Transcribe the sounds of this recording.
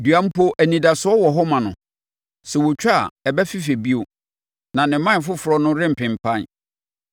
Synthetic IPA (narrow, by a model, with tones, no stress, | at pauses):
du˨ã˦m̩˦po˦ʔæ˨nĩ˨da˨sʊ˨˦ɔ˦wɔ˨ɦɔ˦mã˨nʊ̰̃˨ | sɛ˨wɔ˨t͡ɕᶣa˦˨ɛ˨bɛ˦fi˦fe˨bi˦o˨ | nã˨nɪ̃˨mːã˦n˨f̬ʊ˦fʊ˨ɾɔ˦nʊ̃˦ɾɪ̃˦m̩˨pɪ̃˨m̩˨pʰã˦n